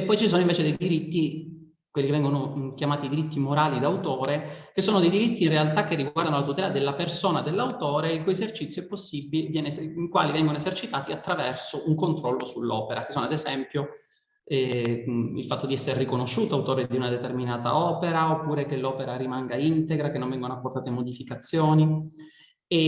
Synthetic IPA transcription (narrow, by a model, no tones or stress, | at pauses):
epːɔjt͡ʃisoːnoiɱveːt͡ʃed̪ejd̪iɾit̪ːi | kwelːikevɛŋɡonokjamaːt̪id̪iɾit̪ːimoɾaːlid̪awt̪oːɾekesːoːnod̪ejd̪iɾit̪ːiːnrealt̪akːerːiɡwwaɾrd̪anolat̪ut̪ɛlad̪elːapersoːnad̪elːawt̪oːɾeikujezert͡ʃit̪sjoɛpːosːibːilevjɛːneiŋkwa̰ːlivɛŋɡonoezert͡ʃit̪aːt̪iat̪ːɾavɛrsoʔuŋkont̪ɾɔlːosulːɔ̰ːpeɾake̥soːnoad̪ezɛmpjo | ɛ | ḭlfat̪ːod̪iɛsːeɾerikonoʃːuːt̪awt̪oːɾed̪iunad̪et̪erminaːt̪a̰ɔːpeɾaopːuːɾekelːɔːpeɾaɾimaŋɡaint̪eɡɾakenːoɱvɛŋɡonoapːort̪aːt̪emod̪ifikat̪sːjoːni | e